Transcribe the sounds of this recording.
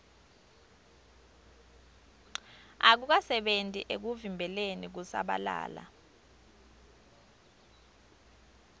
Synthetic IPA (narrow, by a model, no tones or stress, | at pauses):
ak̬uk̬asɛɓentʼiʔek̬uvimbʱɛlenik̬usa̰ɓa̰la̰ːla̰